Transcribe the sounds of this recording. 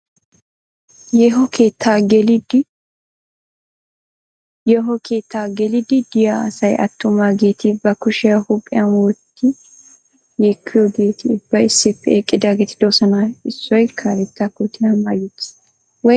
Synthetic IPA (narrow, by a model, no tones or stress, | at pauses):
jɛɦɔkeːt̪ʰːaɡɛlɪd̪ɪ | jɛɦɔkʰeːt̪ːaːɡɛlɪd̪ɪd̪ɪjasɐjʔɐ̰t̪ːʊmaːɡeːt̪ʰɪbɐkʊʃɪjɐhʊpʼːɪjɐnwɔt̪ːɪ | jekʰːɪjoːɡe̞ːt̪ʰɪːbːɐɪsːɪpːɛeːkʼːɪd̪aːɡɛt̪ʰɪ̥d̪ɔsɐnaɪsːɔjkʰaɾɛt̪ːakʊt̪ʰːɪnɐnmajɛt̪ː | wɔ